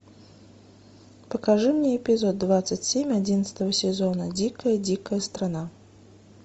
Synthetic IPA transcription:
pəkaʐɨmnʲeɛpʲizɔd̪̚ːvat̪sətʲsʲemʲadʲinət̪sə̥t̪əvəsʲɪzɔnəd͡zʲikəjəd͡zʲikəjəst̪ɾana

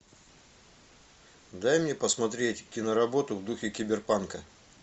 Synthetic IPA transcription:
d̪ajmnʲepəsmɐt̪ɾʲetʲtʲinəɾɐbo̞t̪ʊvd̪uxʲɪkʲɪbʲɪrpankə

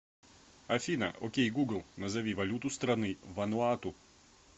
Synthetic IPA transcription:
ɐfʲinɐ̰ʔɔkʲɛɡuɡlˠnɐzɐʋʲiʋɐlʲut̪ust̪ɾɐnɨɪʋɐnʊaːt̪u

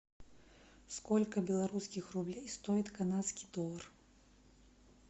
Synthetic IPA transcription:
skɔlʲkɐbʲɛlˠaɾuskʲixrublʲejst̪ɔjit̪kanat̪skʲi̥d̪ɔr

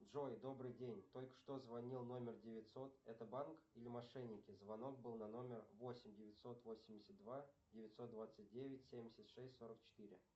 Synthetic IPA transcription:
dʐo̞jd̪o̞brɨjdʲenʲt̪o̞lʲkə̥ʂt̪o̞zvɐnʲilˠno̞mʲɪrdʲɪvʲɪt̪ʲso̞t̪ɛt̪əbankilʲɪmɐʂɛnʲːɪkʲɪzvɐno̞k̚bɨlˠnano̞mʲɪrvo̞sʲɪmʲdʲɪvʲɪt̪ʲso̞t̪vo̞sʲɪmʲdʲɪsʲət̪d̪vadʲɪvʲɪt̪ʲso̞t̪̚d̪vat̪sɨt̚ʲdʲevʲɪtʲsʲemʲdʲɪsʲət̪ʂɛsʲtʲso̞ɾək̚t͡ɕɪ̥t̪ɨɾʲɪ̰

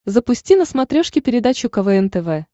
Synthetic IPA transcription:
zəpʊsʲtʲinəsmɐt̪ɾʲoʂkʲɪpʲɪɾʲɪd̪at͡ɕʊkɐvɛɛnt̪ɛvɛ

